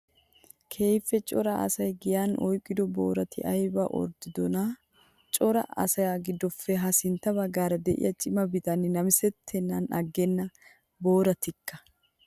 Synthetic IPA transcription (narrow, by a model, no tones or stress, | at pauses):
kʰe̞ːjfːɛt͡ʃʼɔɾɐɐ̰sɐjɡɪjanʔɔjkʼːɪd̪ɔbo̰ːɾɐt̪ɪ̰ʔɐjbɐ̰ʔɔ̰ɾd̪ɪd̪ɔnɐ | t͡ʃʼɔɾɐ̰ɐ̰sɐjaɡɪd̪ːɔfːɛɦɐsɪnt̪ːɐbɐɡaːɾɐd̪ɛʔɪ̰jɐt͡ʃʼɪmɐbɪt̪ɐnːɪnɐmɪsɛt̪ʰːɛnːɐnʔɐɡːɛnːɐ | bo̞ːɾɐt̪ɪkːɐ̥